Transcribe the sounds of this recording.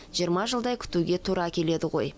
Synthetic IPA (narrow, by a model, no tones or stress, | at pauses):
ʒ̥ijəɾmɑʒəlˠd̪ɑjkʲʰʏ̥t̪uɡʲe̞t̪ʰuɾɑkʲʰe̞le̞d̪ɪʁo̞̰j